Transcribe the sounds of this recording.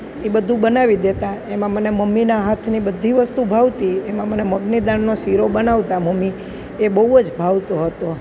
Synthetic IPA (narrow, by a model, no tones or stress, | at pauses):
ibəd̪ʱũbənaʋid̪et̪aemãməneməmːinaɦat̪ʰnibəd̪ʱiʋəst̪ubʱaʋt̪iemãməneməɡnid̪aɳnosiɾobənaʋt̪aməmːi | ebəɦud͡ʒbʱaʋt̪oɦət̪o